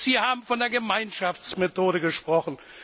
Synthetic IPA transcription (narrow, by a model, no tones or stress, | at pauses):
z̥iːɐhaːbm̩fɔndeːɐɡəmaɪnʃaft͡smetoːɾəɡəʃpʁ̥ɔχn̩